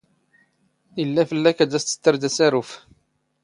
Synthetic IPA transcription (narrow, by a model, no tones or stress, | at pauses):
ilːæfəlːækæd̪æst̪ːə̥t̪ːəɾd̪æsæɾuf